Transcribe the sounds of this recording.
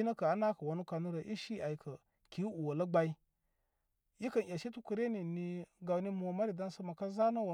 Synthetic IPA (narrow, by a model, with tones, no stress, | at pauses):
i˦na˦ka˨a˦na˦kə˨wa˨nu˦ka˨nu˦ɾa˨ʔi˦ʃi˦a˨i˨kʰə˨ | ki˨˦u˨wa˨la˦ɡ͡ba˦i˦ | ji˦kə˨n˨ja˨ʃi˦tu˦ku˨ɾe˦ni˨ni˨ɡa˨wni˦m˨o˨ma˦ɾi˨da˦n˦sə˦ma˨ka˦za˦na˦wa˨